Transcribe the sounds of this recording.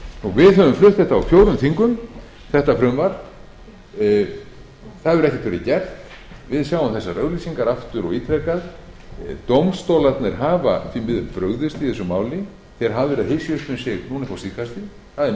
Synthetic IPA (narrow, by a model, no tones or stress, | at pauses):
nuvɪðɦœvʏmflʏht̪ɛht̪aawfjoːwɾʏmθiŋkʏm | θɛht̪afɾʏmvaɾ | θaðvɛɾɛhcɪ̥t̪veɾɪcɛrt̪ | vɪðsjawʏmθɛsːarʔœɣlisiŋkaɾaft̪ʏɾɔɣiːt̪ʰɾɛkað | t̪owmst̪owlat̪nɪɾ̥ɦaːva̰θvimɪðʏmpɾœɣðɪst̪iθɛsʏmaːwlɪ | θɛɾ̥ɦaðvɛɾaðɦɪsjʏst̪ʏnsjɪɣnuːnɪθfawsikast̪ɪ | θaðɛ